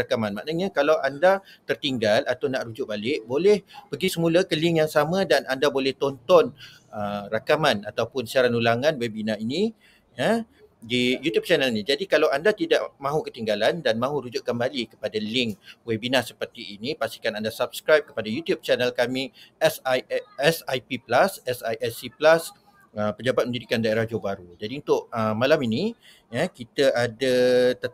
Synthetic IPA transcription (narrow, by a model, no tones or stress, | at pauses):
akamãnmã̰ʔnaɲãkalawʔandat̪ərt̪iŋɡalʔat̪awnaʔɾud͡ʒʊʔ̚balɪʔbolɛhpəɡisəmulakəlɪŋjaŋsamãdanandabolɛht̪ɔnt̪ɔn | ərakamanat̪awpʊnsiaɾanulaŋãnwɛbinainĩ | ja | dijut̪jub̚t͡ʃanəlinĩd͡ʒadikalawandat̪idaʔmãɦukət̪iŋɡalandanmãɦuɾud͡ʒʊʔ̚kəmbalikə̥padalɪŋkwɛbinãsəpərt̪iːnipast̪i̥kanandasab̚skɾajp̚kə̥padajut̪jub̚t͡ʃanəlkamĩɛsɛsajpiplasɛsajʔɛsiplas | əpəd͡ʒabat̪̚mə̃ndidikandaeɾahd͡ʒobaɾud͡ʒadiunt̪ʊʔəmãlamini | jakit̪əʔadat̪ə